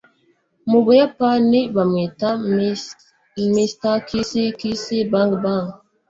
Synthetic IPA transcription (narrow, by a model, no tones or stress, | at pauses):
mubujapanibameta | mistakisikisibaŋɡbaŋ